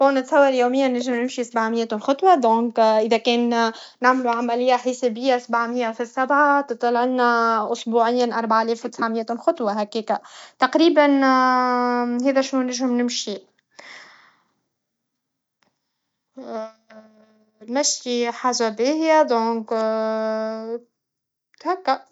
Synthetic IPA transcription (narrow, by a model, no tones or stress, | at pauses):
foːnɪt̪sˤɑwːɑljuːmɪjːanɪʒːɪmnɪmʃisabʕamɪjːæt̪unxʊt̪ˤwɑd̪ɔ̃ːkʔɪðækɛːnːaʕmluʕamælɪjːaħɪsebɪjːasabʕmɪjːafisːabʕat̪ɨt̪ˤːɑlɪlnaʔʊsbuːʕɪjːanʔɑɾˤbaʕalɛːfwt̪ɪsʕamɪjæt̪ulxʊt̪ˤwɑɦækeːkæt̪ɑqɾiːban | ɦɛːðæʃnunɪʒʊmnɪmʃi | næʃːiħaːʒabeːhjad̪ɔ̃ːk | t̪hakːa